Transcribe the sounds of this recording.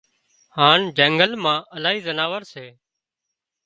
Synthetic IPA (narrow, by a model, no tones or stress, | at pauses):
haːɳd͡ʒɛ̃ːŋɡəlmãːʔəlaːɦiːzənaːʋəɾseː